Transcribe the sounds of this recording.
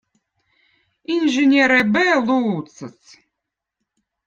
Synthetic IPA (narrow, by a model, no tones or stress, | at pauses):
inʲʒɨnʲeɾɛbɛlˠuːt̪sɨs